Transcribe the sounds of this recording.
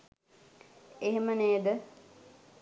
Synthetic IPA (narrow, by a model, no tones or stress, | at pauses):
eɦeməneːd̪ə